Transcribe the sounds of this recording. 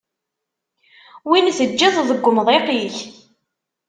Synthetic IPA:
winθəd͡ʒːiðˤðˤəɡʷːmðˤeqiç

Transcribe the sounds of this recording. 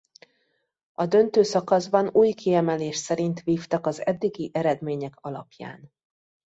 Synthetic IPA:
ɒd̪ø̞nt̪øːsɒkɒzbɒnuːjkiɛmɛleːʃsɛɾint̪ʋiːft̪ɒkɒzɛd̪ːiɡiʔɛɾɛd̪meːɲɛkɒlɒ̰pja̰ːn

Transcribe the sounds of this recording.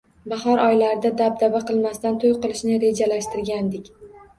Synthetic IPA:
bɑχɒɾʔɒjlaɾɪd̪ad̪ab̚d̪abaqʰɨlˠmast̪ant̪ʰojqɨlˠɪʃnɪɾe̞d͡ʒalaʃt̪ɪɾɡʲand̪ɪkʲ

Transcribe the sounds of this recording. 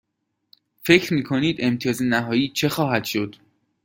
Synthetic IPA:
fe̞cʰɾmiːkʰoniːd̪e̞mt̪ʰiɒːzenæɦɒːjiːt͡ʃʰe̞xɒːɦæd̪̥ʃo̞d̪̥

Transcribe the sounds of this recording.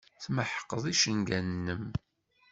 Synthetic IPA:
θməħə̥qːəðˤiʃənɡænnːəm

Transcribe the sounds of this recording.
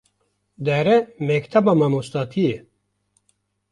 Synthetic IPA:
d̪æɾemekt̪ʰɐbɐmɐmost̪at̪ʰie

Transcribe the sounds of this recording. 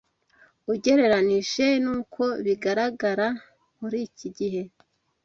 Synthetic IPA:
uɟe̞ɾe̞ɾaniʒe̞nuːkʰo̞βiɡaɾaɡaɾa | muɾiciɟiɦe̞

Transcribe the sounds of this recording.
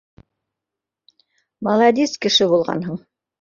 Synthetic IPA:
mɐlˠɑd̪ʲiskɘ̆ʃɘbulˠʁɑ̰nɦɤɴ

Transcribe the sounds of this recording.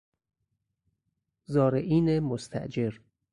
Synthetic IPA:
zɒːɾeʔiːnemost̪ʰæ̰ʔd͡ʒeɾ

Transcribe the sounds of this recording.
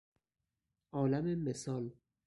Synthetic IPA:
ʔɒːlæmemesɒːl

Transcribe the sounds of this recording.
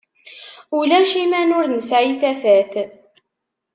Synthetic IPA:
ulæʃimænʊɾnəsʕiθæfæθ

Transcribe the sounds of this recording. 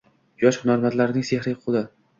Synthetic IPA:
jɒʃhʊnaɾmat̪laɾɪnɪŋsehɾɪqʰʊd̪ɪ

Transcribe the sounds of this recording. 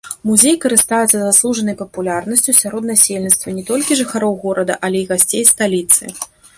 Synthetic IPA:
muzʲejkɐɾɨst̪ajut̪sɐzaslˠuʐɐnɐjpɐpulʲarnɐsʲt͡sʲusʲaɾɔd̪nasʲelʲnʲit̪st̪vɐnʲɛt̪ɔlʲkʲiʐɨxaɾɔwɣɔɾɐd̪ɐ̰ʔɐlʲɛiɣasʲt͡sʲejst̪alʲit̪sɨ̰

